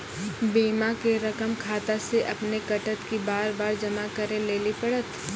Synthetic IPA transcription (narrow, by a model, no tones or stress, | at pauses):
biːmakeɾɐkəmkʰaːt̪aseʔɐpnekɐʈət̪kibaːɾbaːɾd͡ʒɐmakɐɾẽleːlipɐɽət̪